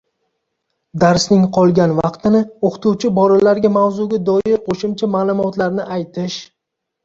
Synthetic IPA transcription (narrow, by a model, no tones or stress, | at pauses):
d̪aɾsnɪŋqʰɒlˠɡʲanvɑqt̪ʰɪnɪoqʰt̪uwt͡ʃʰɪbɒɾalaɾɡʲamawzuɡʲad̪ɒjɪɾqʰoʃɪmt͡ʃʰamaːlˠʊmɒt̪laɾnɪʔajt̪ʰɪʃ